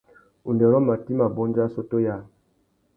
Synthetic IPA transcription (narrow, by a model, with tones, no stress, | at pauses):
u˨ndɛ˨ɾɔ˦ma˨ti˦ma˨bɔ˦nd͡ʒa˦so˦to˦ja˦˨